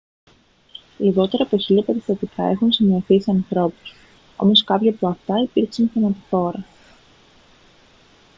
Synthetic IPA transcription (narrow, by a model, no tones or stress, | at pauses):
liɣo̞t̪e̞ɾɐpoçiʎɐpeɾist̪ɐt̪ikʰɐe̞xunsinioθiseɐnθɾo̞pu̥s | o̞̰mo̞skɐpçɐpoɐft̪ɐipiɾçsinfonɐt̪i̥θo̞ɾɐ